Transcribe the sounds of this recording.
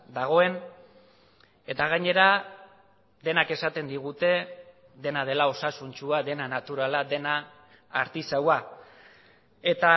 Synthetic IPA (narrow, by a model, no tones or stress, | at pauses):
d̪aɣ̞o̞e̞n | e̞t̪aɣ̞aɲe̞ɾa | d̪e̞nake̞sat̪e̞nd̪iɣ̞ut̪e̞ | ðe̞nað̞e̞lao̞sasunt͡ʃuaðe̞nanat̪uɾalad̪e̞naː | ɾt̪isawa | e̞t̪a